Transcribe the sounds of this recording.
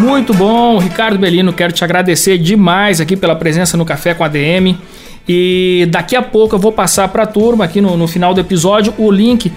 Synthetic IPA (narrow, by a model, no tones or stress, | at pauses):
mũj̃t̪ʊbõʊɦikaɾd̪ʊbelĩnʊkɛɾʊt͡ʃɪaɡɾad̪eseɾd͡ʒɪmajzak̬ipelɐpɾezẽsɐnʊkafɛkõad̪eẽmɪ | ɪd̪akiapowkʊewvowpasaɾpɾɐt̪uɾmɐːkinʊnʊfinawd̪ʊepizɔd͡ʒʊʔʊlĩkɪ